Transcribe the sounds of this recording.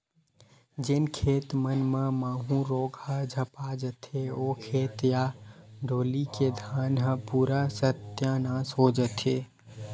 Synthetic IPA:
d͡ʒenkʰeːt̪mənmẽmaːɦũɾoːɡʱad͡ʒʱəpad͡ʒət̪ʰeokʰeːt̪jaɖʱoːliked̪ʱaːnɦəpuːɾasət̪janãsoːd͡ʒət̪ʰeː

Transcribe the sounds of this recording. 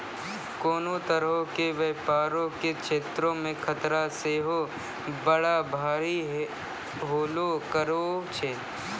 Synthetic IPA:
koːnõt̪əɾɦõkeʋeːpaːɾõkekʃeːt̪ɾõmẽkʰɐt̪ɾaseːɦoː | bəɽabʱaːɾiɦ | ɦoːlokəɾoːt͡ʃʰeː

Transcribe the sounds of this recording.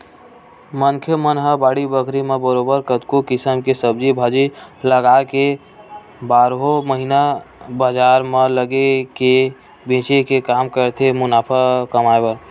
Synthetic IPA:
mənkʰjəmənɦəbaɽibəkʰɾimebəɾobəɾkət̪kokisəmkesəb̚d͡ʒibʱad͡ʒiləɡake | baɾɦoməɦinabəd͡ʒaɾmeləɡeke | bẽt͡ʃekekamkəɾt̪ʰemunapʰakəmaebə

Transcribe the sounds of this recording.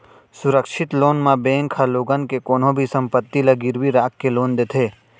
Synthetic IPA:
sʊɾəkʃɪt̪loːnmãbẽːŋkʰːaloːɡənkekoːnõbʱisə̃mpət̪ːilɐɡɪɾʋiɾaːkːeloːnd̪eːt̪ʰeː

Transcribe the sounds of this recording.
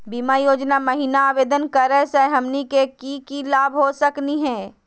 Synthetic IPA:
biːmajoːd͡ʒnaməɦinaaːʋeːd̪ənkɐɾəseɦɐmnikekikilaːbʱɦosɐkniɦɛ̃ː

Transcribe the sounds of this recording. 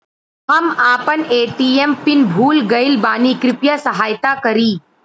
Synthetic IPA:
hɐmaːpəneːʈiːempɪnbʱuːlɡɐɪlbaːnikɾɪpjasɐɦaːjt̪akɐɾiː

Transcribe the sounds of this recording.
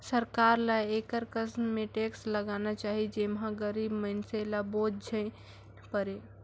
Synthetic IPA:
səɾkaɾlaekəɾkəsnmẽʈeksləɡanat͡ʃaɦid͡ʒemɦãɡəɾibməɪnselabod͡ʒʱəɪ | pəɾe

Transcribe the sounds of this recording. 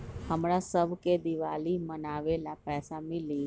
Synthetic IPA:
həmɽasəbked̪iʋaːlimənaʋelapɛːsamɪli

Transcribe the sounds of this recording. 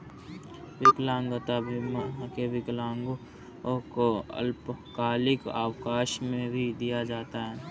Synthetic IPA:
ʋɪklãːŋɡət̪abʱɪmakeʋɪklãːŋɡ | koə̰lpkaːlɪka̰ːwkaːʃmẽbʱid̪ijad͡ʒaːt̪aɦɛː

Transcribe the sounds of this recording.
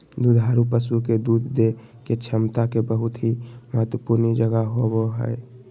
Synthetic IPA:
d̪ud̪ʱaɾupəsuked̪ud̪ʱd̪e | ket͡ʃʰəmt̪akebəɦʊt̪ɦiməɦət̪wəpuɾnid͡ʒəɡaɦoboɦə̰e

